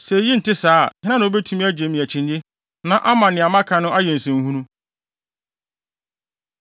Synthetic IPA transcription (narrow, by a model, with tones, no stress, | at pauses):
sɛ˨ji˦n̩˨tɪ˦saː˦˨hɪ̃˦ã˦nã˨o˦be˦tʰũ˦mĩ˦æ˦d͡ʑe˨mĩ˨æ˨t͡ɕʰɪ̃˨ɲjɪ˦ | nã˦ʔa˦mã˨nɪ̃˨a˨mã˦kʰã˨nʊ̃˦ʔa˦jɛ˨n̩˨sɪ̃˨n˦hũ˦nũ˦